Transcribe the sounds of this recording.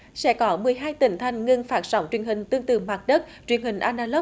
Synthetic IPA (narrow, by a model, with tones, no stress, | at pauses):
sɛ̰˧˥kɔ˨˦mɨ˨˩əjɦaː˧jt̪ï˧˩˦ŋ̟t̪ʰa˧jŋ̟ŋɨ˧nfaː˦˥t̚z̥a˨˦wŋ͡mt͡ɕwi˨˩ənhï˨˩ŋ̟t̪ɨ˧əŋt̪ɨ̰˧˩maː˨˩t̚ɗə˦˥t̚t͡ɕwi˨˩ənhï˨˩ŋ̟ʔaː˧nɗaː˧lə˦˥